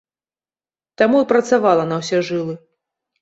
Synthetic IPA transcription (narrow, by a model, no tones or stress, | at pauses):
t̪amuipɾɐt̪savalˠɐnɐwsʲɛʐɨlˠɨ